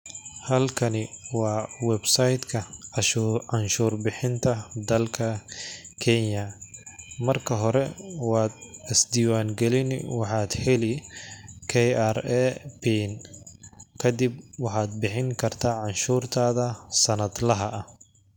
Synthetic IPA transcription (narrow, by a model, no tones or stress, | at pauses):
hɐlkʰɐnɪwɑːwɛbsɐjd̪kʰɐ | ɑnʃuːrbɪħɪnt̪ʰɐd̪ɐlkʰɐkʰɛnjɐ | mɐrkʰɐɦɔɾɛwɑːd̪ɪsd̪iːwaːŋɡɛlɪnwɑħɑːd̪ħɪlɪ | kʰɛjarɛpin | kʰɐd̪ɪb̚wɑħɑːd̪̚bɪħɪŋkʰɐrt̪ʰaːʕɑnʃuːrt̪ʰaːðɐsɐnɐd̪lɐɦɐɐh